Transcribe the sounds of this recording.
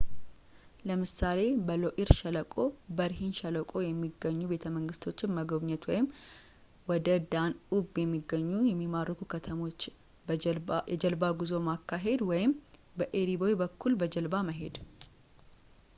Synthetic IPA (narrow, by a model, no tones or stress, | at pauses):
ləmɨsale̞bəlo̞ʔiɾʃɛləkʼo̞bəɾɦinʃɛləkʼo̞jɛmːiɡːəɲːube̞t̪ʰəməŋɡɨst̪ʰo̞t͡ʃːɪnməɡəbɲɛt̪wɔjɪm | wɔd̪əd̪anubjɛmːiɡːəɲːujɛmːimarːəkʰukʰət̪ʰəmo̞t͡ʃː | ɛd͡ʒəlbaɡuzo̞makːaɦe̞d̪wɔjɪmbəʔeɾibo̞jbəkːulbəd͡ʒəlbaməɦe̞d̪